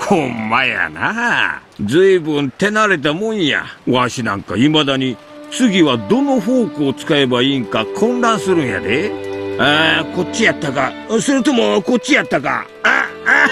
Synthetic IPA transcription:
hʰõmːaja̰na̰ | d͡zɨibɯ̃nt̪e̞naɾe̞t̪̬amõ̞ɰ̃ja̰oãɕinã̰ŋkaimad̪aɲ̟i | t͡sɨɡʲiβad̪o̞no̞ɸo̞ːkoːt͡sɨ̥kae̞baiːŋkakʰõ̞ndãɰ̃sɨɾɯ̟̃ɰ̃ja̰d̪eaːko̞t͡ɕijat̪ːaka | sɨɾɯ̟t̪o̞moko̞t͡ɕːijat̪ːaka̰ | a

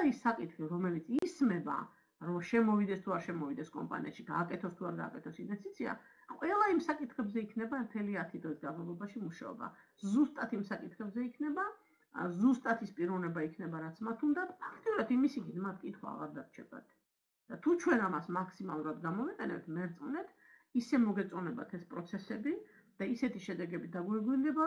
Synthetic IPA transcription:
aisːakʼit̪ʰχiɾɔmɛlit̪sʰismɛba̰ | ɾɔʃɛmɔvid̪ɛst̪ʰuaɾʃɛmɔvid̪ɛskʼɔ̰mpʼa̰nḭa̰ʃiɡaːkʼɛt̪ʰɔst̪ʰuaɾɡa̰ːkʼɛt̪ʰɔsinvɛst̪ʰʼit̪sʰia̰ | qʼwɛlˠaimsakʼit̪ʰχɛbzɛikʰnɛbaɛmt̪ʰɛliat̪ʰid̪ʁɛsɡanmalˠɔbaʃimuʃa̰ɔ̰ba̰ | zust̪ʼat̪ʰimsakʼit̪ʰχɛbzɛikʰnɛba | zust̪ʼat̪ʰispʼiɾɔvnɛbaikʰnɛbaɾat̪sʰmat̪ʰund̪at̪ʰpʰḁkʰt̪ʼiuɾat̪imisikit̪mat̪̚ʰkʼit̪ʰχwa̰a̰ʁaɾd̪aɾt͡ʃʰɛ̰ɡa̰t̪ʰ | d̪̥at̪ʰut͡ʃʰwɛnamasmakʰsimalˠuɾad̪ɡamɔviqʼɛnɛ̰p̚t̪ʰmɛɾt̪sʼvnɛt̪ʰ | isɛmɔɡɛt̪sʼɔnɛba̰t̪ʰɛspʼɾɔt̪sʰɛsɛbi | d̪̥aisɛt̪ʰiʃɛd̪ɛɡɛbid̪aɡwɛɾɡwind̪ɛba

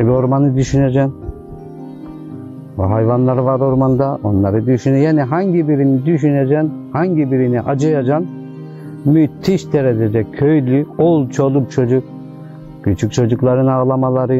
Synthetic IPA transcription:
ebio̞ɾmanɯd̪yʃyned͡ʒɛm | ɦajvanlˠaɾɯvaɾo̞ɾmand̪aʔo̞nlˠaɾɯd̪yʃynjaːniɦaɲɟibiɾinid̪yʃ̬yned͡ʒɛnhaɲɟibiɾiniʔad͡ʒɯjad͡ʒan | myt̪ʰːiʃt̪ʰeɾɛd͡ʒ̪ɛd̪ɛkʲʰøjlʲyolˠt͡ʃʰo̞lˠup̚t͡ʃʰo̞d͡ʒuk̚ | kyt͡ʃʰyc̚ʲt͡ʃʰo̞d͡ʒuklˠaɾɯnaːlˠamalˠaɾɯ

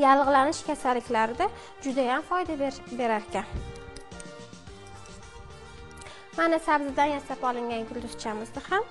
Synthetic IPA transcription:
jalˠʁɨlanɪʃkʲʰasalːɪkʲlaɾɪd̪a | d͡ʒʊd̪ajamfɒjd̪abe̞ɾaɾkʲan | manasabzɪd̪anjasapɒlˠɪŋɡʲanɡʲʊlːɪɾt͡ʃʰamɪzd̪ɪham

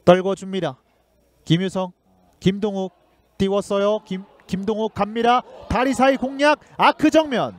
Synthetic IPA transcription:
t͈ʌɭɡʌd͡ʑuŋɲiɾa | kimjusʰʌŋ | kimdoŋuk̚ | t͈iwʌs͈ʌjoi | kimdoŋuk̚k͈amːiɾat̪aɾisʰaikoŋɲjak̚akʰɯd͡ʑʌŋmjʌn

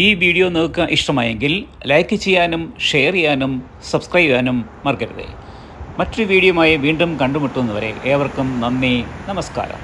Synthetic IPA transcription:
iːʋiːɽijo̞nelkːɐʔiʂʈɐmaːjeŋɡil | lɐjkːɨt͡ɕejːaːnumʂe̞jɐrijːaːnum | sɐbskrɐjbjaːnumːɐrkɐɾɐðɨ̰ | mɐtːoɾuʋiːɽijɐmaːjiʋiːɳɖumkɐɳɖumuʈːuunːɐʋɐɾe̞̰ʔeːɐʋɐrkumnɐnːinɐmɐska̰ːɾɐ̰m

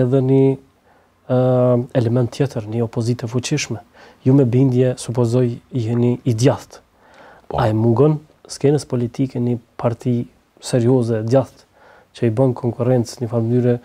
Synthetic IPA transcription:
ɛðɛni | ɛlɛmɛnt̪ʰːjɛt̪əɾniɔpɔzit̪ɛfut͡ʃiʃmɛ | jumɛbind̪jɛsupɔzɔjiɦɛniːd̪jaθt̪ | aɛmuŋɡɔn | skɛnəspɔlit̪ʰikɛnipʰaɾt̪ʰi | sɛɾiɔzɛd̪jaθt̪ | t͡ʃəibɔnkʰɔŋkuɾɛnt͡sɲəfalməd̪yɾɛ

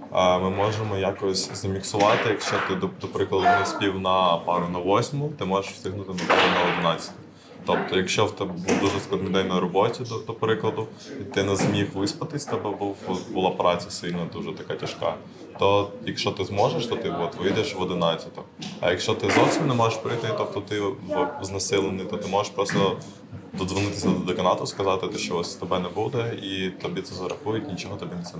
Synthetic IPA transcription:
mɪmɔʒemɔjakɔsʲzɐmʲiksʊʋɑt̪ɪjɐkʃt͡ʃɔt̪ɪd̪ɔd̪ɔpɾɪklˠɐd̪ʊnɛsʲpʲiwnɐpɑɾʊnɐʋɔsʲmʊt̪ɪmɔʒeʃwsʲt̪ʲɪɦnʊt̪ɪnɐt̪ɔɾɔnɐɔd̪ɪnɑt͡sʲɐ̥t̪ɔ | t̪ɔp̚t̪ɔjɐkʃt͡ʃɔwt̪ɛbuwd̪uʒɛsklˠɐd̪nɔjd̪ɛjʲnɔjɾɔbɔtʲid̪ɔd̪ɔpɾɪklˠɐd̪ʊ | it̪ɪnɛzmʲixʋɪspɐt̪ɪsʲt̪ɔbɛbubʊlˠɑpɾʔɑt͡sʲɐsɪlʲnɐd̪uʒɛt̪ɐkɑtʲɐʃkɑ̰ | t̪ɔjɐkʃɔt̪ɪzmɔʒeʃt̪ɔt̪ɪʋɔt̪ʋɪjd̪eʃʋɔd̪ɪnɑt͡sʲɪt̪ɔɐ̰jɐkʃt͡ʃɔt̪ɪzɔwsʲimnɛmɔʒeʃpɾɪjt̪ɪt̪ɔb̚t̪ɔt̪ɪɔznɐsɪlˠenɪjt̪ɔt̪ɪmɔʒɛʃpɾɔst̪ɔ | d̪ɔd̪zʋɪnɪt̪ɪsʲɐd̪d̪ɐkɐnɑt̪ʊskɐzɑt̪ɪt̪ɛʃt͡ʃɔɔsʲsʲt̪ɔbɛnɛbud̪ɛit̪ɐbʲit̪sɛzɐɾʔɐxujʊtʲnʲit͡ʃɔɦɔt̪ɐbʲinɛsɛ

